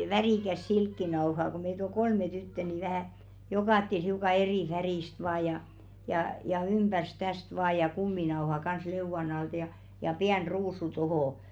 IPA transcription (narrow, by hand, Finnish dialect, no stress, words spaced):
ʋæriˑkæs silkːinɑo̝hɑː ko meit ol kolme tytːə ni ʋæhæˑ jokɑˑtːel hiukɑ eriˑ færiˑst ʋɑːj jɑ jɑˑ jɑ ymb̥ærs tæst ʋɑː jɑ kumːinɑohɑ kɑns leuʋɑn ɑltɑ̆ jɑ jɑ piæn ruːsu tohoˑ